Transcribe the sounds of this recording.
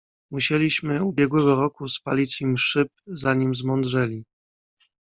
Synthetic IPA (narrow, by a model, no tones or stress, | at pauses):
muɕelʲiɕmɘubʲjɛɡwɛɡɔɾɔkuspalʲit͡ɕimʂɘp̚zaɲimzmɔnd̪ʐɛlʲi